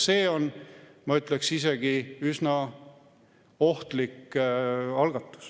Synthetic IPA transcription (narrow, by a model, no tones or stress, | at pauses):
se̞ːo̞n | mɑyt̪ˑleksise̞ɡ̥iysnɑ | o̞ht̪likː | ɑlɡ̥ɑt̪ːˑu̥s